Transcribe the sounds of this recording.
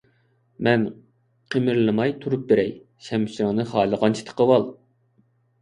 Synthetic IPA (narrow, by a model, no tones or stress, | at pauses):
mɛn | qʰemɪɾlˠɨmɑjt̪ʰuɾup̚beɾɛj | ʃɛmʃiɾɨŋnɨχɑːlˠəʁɑnt͡ʃʰi̥t̪ʰə̥qəwɑlˠ